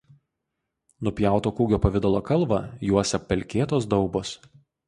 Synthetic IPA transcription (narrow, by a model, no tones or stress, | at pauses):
nʊpʲjæˑʊt̪oːkuːɡʲoːpɐʋʲɪd̪ɐlˠoːkɐlˠˑʋɐˑjuɔsʲɛppʲːɛlʲkʲeːt̪oːs̬d̪ɒʊboːs